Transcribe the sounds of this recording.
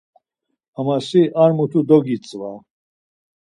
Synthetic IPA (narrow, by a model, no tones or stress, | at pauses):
amasiʔaɾmut̪ʰud̪ɔɡit͡sʼva